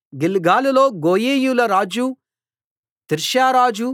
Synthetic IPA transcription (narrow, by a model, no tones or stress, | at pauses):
ɡilɡaːluloːɡoːjeːjulɐɾaːd͡ʒu | t̪iɾʃjaːɾaːd͡ʒu